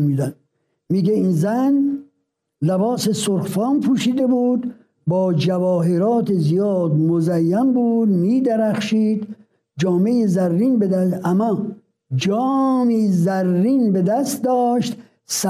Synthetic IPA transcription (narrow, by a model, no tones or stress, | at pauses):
miːd̪æn | miːɡeiːnzæn | læbɒːsesoɾxfɑːmpʰuːʃiːd̪ebuːd̪ | bɒːd͡ʒævɒːɦeɾɒːt̪ʰezijɒːd̪mozæjːæmbuːd̪miːd̪æɾæxʃiːd̪ | d͡ʒɒːmejezæɾːiːnbed̪ææmːɒː | d͡ʒɒːmiːzæɾːiːnbed̪æst̪̚d̪ɒːʃt̪ | sæ